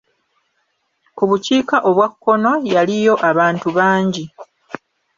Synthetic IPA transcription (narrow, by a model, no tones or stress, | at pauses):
kuβuciːkaʔo̞βwakːo̞no̞jalijo̞ʔaβaːntuβaːɲɟi